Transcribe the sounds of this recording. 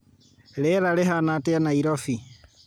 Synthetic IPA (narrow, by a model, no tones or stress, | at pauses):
leɾaleɦanateanaiɾofi